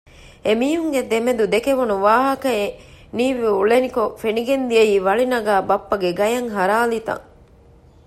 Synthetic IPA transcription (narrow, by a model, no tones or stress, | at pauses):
emiːɦuŋɡed̪emed̪ud̪ekeʋunuʋaːɦɐkɐe | niːʋiuɭenikofeniɡend̪ieiːʋɐɭinɐɡæːbɐpːɐɡeɡɐjɐŋɦɐɾaːlit̪ɐ̰ŋ